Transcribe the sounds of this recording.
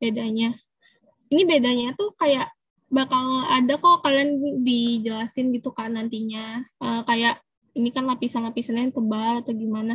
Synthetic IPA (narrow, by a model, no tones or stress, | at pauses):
b̥edaɲa | inibedaɲat̪ukajaʔ | bakaladakokalandid͡ʒəlasɪnɡit̪ukanant̪iɲaʔəːkajaʔ | inikanlapisanlapisanaŋt̪əbalat̪aɡimana